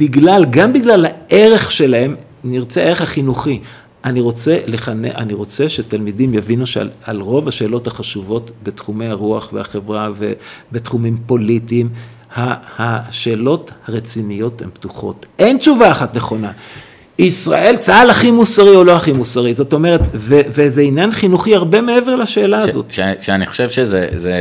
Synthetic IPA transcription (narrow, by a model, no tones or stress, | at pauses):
b̥iɡlalɡambiɡlalhaʔe̞ʁe̞χʃe̞lahe̞m | niʁt͡seaeʁeχhaχinuχi | ʔaniʁo̞t͡se̞leχanḛʔa̰niʁo̞t͡se̞ʃetalmidimjavinuʃalʁo̞vaʃe̞ːlo̞thaχaʃuvo̞tbetχumejhaʁuaχveaχe̞vʁavḛbetχumimpo̞litiːm | hahaʃe̞ːlo̞thaʁet͡sinijo̞themptuχo̞̰te̞nt͡ʃuvaːχatne̞χo̞na | isʁa̰ʔe̞lt͡saalaχimusaʁio̞lo̞aχimusaʁizo̞to̞me̞ʁet̪vevezeinjanχinuχiaʁbe̞me̞e̞veʁlaʃe̞ːlaazo̞̰t̪ʃʃeaniχo̥ʃevʃezeze